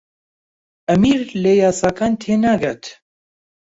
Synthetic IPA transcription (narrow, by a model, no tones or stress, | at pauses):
ʔɐmiːɾleːjaːsaːkaːnt̪ʰeːnaːɡat̪